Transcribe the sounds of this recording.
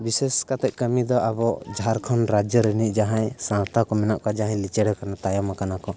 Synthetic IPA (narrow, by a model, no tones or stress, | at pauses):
bisɛskat̪ɛc̚ˀkəmid̪ɔabɔd͡ʒʱaɾkʰɔnɾad͡ʒəɾəniʔd͡ʒaɦãjsãwt̪ʰakɔmɛnaʔkad͡ʒaɦãjlit͡ʃɛɽɔkanat̪ajamakanakɔ